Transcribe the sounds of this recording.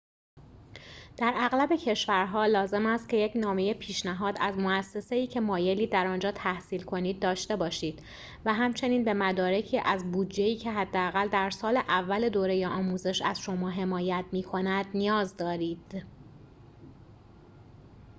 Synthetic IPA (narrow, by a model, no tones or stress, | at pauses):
d̪̥æɾæɣlæbe̞cʰe̞ʃvæɾɦɒːlɒːze̞mæst̪̚cʰe̞jecnɒːme̞je̞pʰiːʃnæɦɒːd̪æzmoæsːe̞se̞iːcʰe̞mɒːje̞liːd̪æɾɒːnd͡ʒɒːt̪ʰæhsiːlkʰo̞niːd̪̚ːɒːʃt̪e̞bɒːʃiːd̪̥ | væɦæmt͡ʃʰe̞niːnbe̞mæd̪ɒːɾe̞cʰiːʔæzbuːd̪d͡ʒe̞iːcʰe̞ɦæd̪ːeæɣæld̪æɾsɒːle̞ʔævːæled̪oːɾe̞jeʔɒːmuːze̞ʃæzʃo̞mɒːɦe̞mɒːjæt̪ʰmiːkʰo̞næd̪̥nijɒːzd̪ɒːɾiːd̪̥